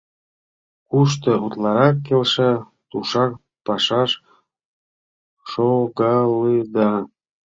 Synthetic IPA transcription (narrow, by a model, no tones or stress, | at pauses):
kuʃ̬t̪ɤ̆ut̪lɑɾɑkːelʃə̆ | t̪uʃɑk̚ | pɑʃɑʃ | ʃoɣɑlɯd̪ɑ